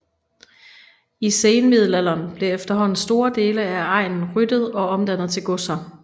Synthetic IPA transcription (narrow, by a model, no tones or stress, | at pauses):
iseːnmið̞̰ˠl̩ælɐːnb̥le̝efd̥ɐɦɒ̽n̰n̩sd̥o̝ːɐd̥e̝ːləæɑ̈ɪ̰nn̩ʁyd̥əð̞̩ˠɒ̽ɒ̽md̥æn̰ð̞̩ˠt͡sʰe̝lɡ̥ɔsɐ